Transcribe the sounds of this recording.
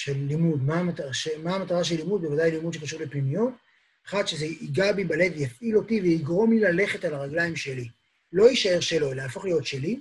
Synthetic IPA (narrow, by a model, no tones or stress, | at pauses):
ʃelːimud̪mamataʃemaːmataʁaʃe̞lːimud̪̚bevadajlimud̪ʃe̞kaʃuʁlepnimijot | aχad̪ʃe̞zeʔiɡabibale̞dvejafʔilo̞tiveiɡʁo̞mlilale̞χe̞talaʁaɡlaimʃe̞li | lo̞iʃae̞ʁʃe̞lo̞elaaːfo̞χlijo̞tʃe̞li